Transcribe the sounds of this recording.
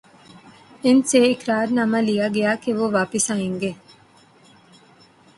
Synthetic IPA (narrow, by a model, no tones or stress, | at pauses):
enseːikɾaːɾnɐmɐlijaːɡejaːkeʋoʋaːpisaiŋɡe